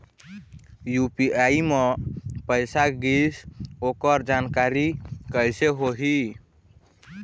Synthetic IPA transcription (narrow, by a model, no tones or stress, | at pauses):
jupiaimepəɪsaɡisokəɾd͡ʒankaɾikəjseɦoɦi